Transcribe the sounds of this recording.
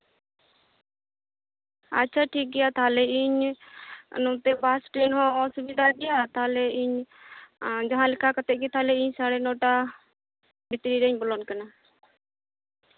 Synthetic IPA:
a̰tːt͡ʃʰaʈʰik̚ɡɛjat̪aɦalɛiɲ | nɔt̪ɛbaːsʈɾeːnɦɔ̃ɔsʊbid̪ʱaɡɛjat̪ɦlɛiɲ | d͡ʒaɦãlɪkʰakat̪ɛʔkit̪ʰalɛiɲsaɽɛnɔʈa | bɪt̪ɾiɾɛɲbɔlɔnkana

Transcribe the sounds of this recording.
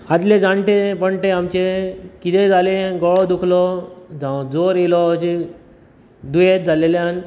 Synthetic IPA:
ad̪lẽd͡zaɳʈepəɳʈẽamt͡ɕekit̪ed͡zʱaleɡɔɭɔd̪ukʰlɔd͡zãd͡zoɾelɔt͡ɕe | d̪ujet̪̚d͡zʱalelean

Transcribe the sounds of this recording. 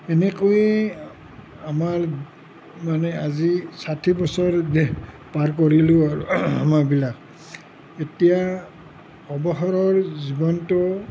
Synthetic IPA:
ɛnɛkojɛ | amaɹ | manɛazisatʰibɔsɔɹdɛ | paɹkoɹilʊaɹua̰maɹbilak̚ | etija | ɔbɔɦɔɹɔɹzibɔntʊ

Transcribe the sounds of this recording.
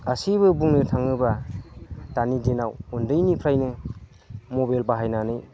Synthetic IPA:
asiβɯbuŋnɯtʰaŋɯba | tanidinawundɯjnipʰɾajnɯ | mobajlbaɦajnanɯj

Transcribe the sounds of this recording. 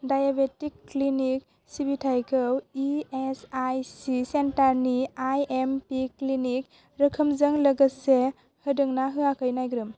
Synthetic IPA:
dajabetikːlinik̚ | sibitʰajkʰɯwiesajsisentaɾniajempiklinik̚ | ɾəkʰɯmzɯŋləɡɯse | hɯdɯŋnaɦɯakʰɯjnajɡɾɯm

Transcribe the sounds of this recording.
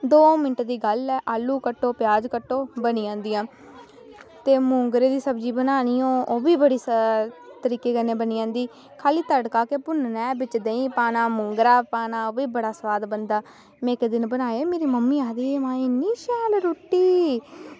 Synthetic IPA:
d̪oːmɪnəʈd̪iːɡəlɛːʔaːlːuːkəʈːoːpɪjaːd͡ʒkəʈːoːbəniːãːnd̪ijãː | t̪eːmʊŋɡɾeːd̪iːsəbd͡ʒiːbənaːniːõːoːbiːbəɽiːs | t̪əɾiːkeːkənẽːbəniːãːnd̪iː | kʰaːliːt̪əɖkaːkepʊnnɛ̃ːbɪt͡ʃd̪eĩːpaːnaːmʊŋɡɾaːpaːnaːoːbiːbəɽaːsʋaːd̪bənd̪aː | mɛ̃ːɪkd̪ɪnbənaːemeːɾiːməmːiːaːd̪eːmãːeniːʃaːlɾoːʈːiː

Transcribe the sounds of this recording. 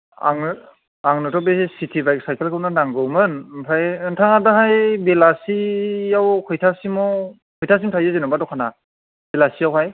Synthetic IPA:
a̰ŋ | aŋnɯtʰɔbessitʰibajk̚sajkʰelkʰɯnanaŋɡɯwmɯnpʰajɯntʰaŋadaɦajbelasiawkʰɯjtʰasimɔ | kʰɯjtʰas̬imtʰajzɯzenɔbadɔkʰana | b̥elasijawhaj

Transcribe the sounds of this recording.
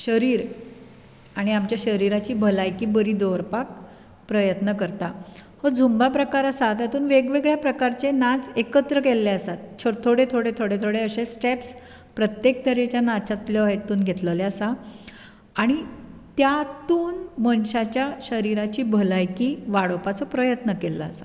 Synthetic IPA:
ɕəɾiːɾ | aɽ̃iamt͡ɕjaɕəɾiɾat͡ɕiːbʱəlajkiːbəɾiːd̪oɾpak̚ | pɾəjət̪nəkəɾt̪ahəd͡zʱumbapɾəkaɾəsat̪jat̪uːnʋeɡʋeɡɭjapɾəkaɾt͡ɕenad͡zekət̪ɾəkelːeəsat̪̚t͡ɕʰot̪ʰoɽet̪ʰoɽet̪ʰoɽet̪ʰoɽeəɕesʈeps | pɾət̪jek̚t̪əɾet͡ɕjanat͡ɕat̪ljɔet̪ːuːnɡʱet̪ləleasaː | ɽ̃it̪jat̪uːnmənɕat͡ɕjaɕəɾiɾat͡ɕiːbʱəlajkiːʋaɽopat͡sɔpɾəjət̪nəkelːə̰ːsa̰

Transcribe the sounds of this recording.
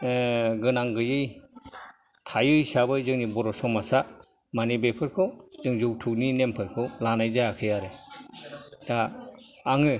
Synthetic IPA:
ɡɯnaŋɡɯjɯj | tʰajɯjsabɯjzɯŋnibɔɾɔsɔmasa | manibepʰɯɾkʰɔzɯŋzɯwtʰukninempʰɯɾkʰɯlanajzajakʰɯjaɾe | taaŋɯ

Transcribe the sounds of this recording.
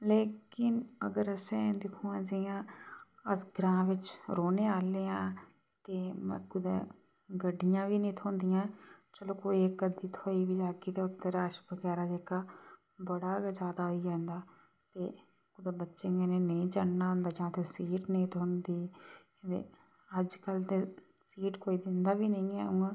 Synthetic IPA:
leːkɪnə̰ɡəɾəsẽːd̪ɪkʰũːãːd͡ʒɪjãːəsɡɾãːʋɪt͡ʃɾoːneːaːleːãː | t̪eːmɛ̰̃ːkʊd̪ḛː | ɡəɖːɪjãːʋiːnĩːt̪ʰõːnd̪ijãːt͡ʃəloːkoːiekːəd̪iːt̪ʰoːiːʋiːd͡ʒaːɡiːt̪eːʊt̪ːəɾaːʃbəɡɛːɾaːd͡ʒeːkaː | bəɽaːd͡ʒjaːd̪aːɦoid͡ʒɛːnd̪aː | t̪eː | kʊd̪eːbətːʃẽːɡeneːnəĩːt͡ʃaɽnaːɦʊ̃nd̪aːd͡ʒãːt̪ʰeːsiːʈnĩːt̪ʰoːnd̪iː | ḛː | əd͡ʒkəlt̪eː | siːʈkoːiːd̪ɪnd̪aːʋiːnəĩːɛ̰ːuãː

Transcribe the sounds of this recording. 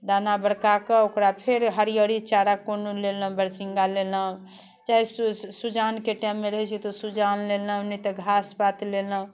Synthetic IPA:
d̪anabəɽkakəokɾapʰeɾɦəɾijəɾit͡ʃaɾakonolelə̃bəɾsiŋɡalelə | t͡ʃaɦissud͡ʒankeʈamːeɾəɦɛt͡ʃʰit̪ɔsud͡ʒanlelənɛt̪ɔɡʱasbat̪lelə

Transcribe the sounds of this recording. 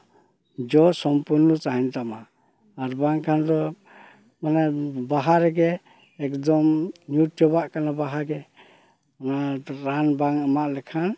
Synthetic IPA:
d͡ʒɔsɔmpuɾnɔt͡ʃaɦint̪amaː | ɾbaŋkʰand̪ɔ | manɛbaɦaɾɛɡɛː | kd̪ɔmnjutjɔbaʔkanabaɦaɡɛ | naɾanbaŋəmaʔlɛkʰan

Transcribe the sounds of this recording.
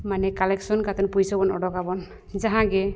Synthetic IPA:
manɛkalɛksɔnkat̪ɔnpujsɔbɔnɔɖɔkabɔn | zaɦãɡɛ

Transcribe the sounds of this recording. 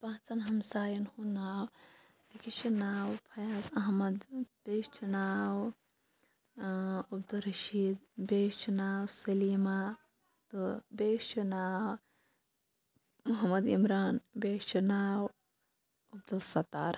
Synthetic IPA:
pãːt͡sɐnɦɐmsaːjɐnhunaːw | t̪ikiʃunaːwpʰɐjasɐɦmɐd̪b̥eːt͡ʃʰunaːw | ɐbd̪ulɾɐʃiːd̪̚beːt͡ʃʰunaːwsɐliːma | t̪ubeːt͡ʃɐnaːw | muɦɐmɐd̪imɾaːnbeːt͡ʃunaːw | ɐb̚d̪ulsɐt̪a̰ːɾ

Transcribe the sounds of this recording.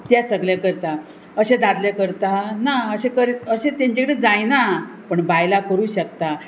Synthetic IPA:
t̪jasəɡɭjakəɾt̪a | əɕẽd̪ad̪ljakəɾt̪anaəɕẽkəɾeəɕẽt̪ãɲt͡ɕakəɽed͡zajnapəɳbajlakəɾuːɕəkt̪a

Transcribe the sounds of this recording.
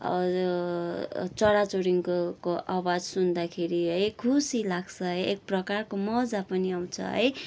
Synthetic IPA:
ʌ̰ | t͡sʌɽat͡soɾiŋkkoʔawad͡zsund̪akʰeɾiɦʌjkʰusilaɡt͡sʰʌɦʌjek̚prʌkarkomʌd͡zapʌniaw̃t͡sʰʌ̰ɦʌ̰j

